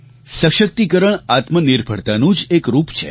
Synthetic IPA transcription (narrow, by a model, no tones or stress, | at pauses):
səʃək̚t̪ikəɾəɳat̪məniɾbʱə̰ɽt̪anũd͡ʒekɾupt͡ʃʰḛ